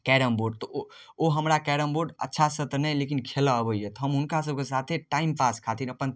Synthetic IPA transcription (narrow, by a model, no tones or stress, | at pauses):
kɛɾəmboɖ̚t̪ɔo | oɦəmɾakɛɽəmboɖə̰tːʃʰasət̪nəjlekinkʰelaəbəɛt̪ɔɦəmunkasəb̚kesat̪ʰeʈaimpaskʰat̪inəpən